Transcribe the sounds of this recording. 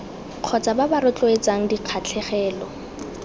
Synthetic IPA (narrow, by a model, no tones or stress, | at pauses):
q͡χʰɔt͡sababaɾʊt͡ɬʼoet͡saŋ̩diq͡χʰat͡ɬʰɛχɛːlɔ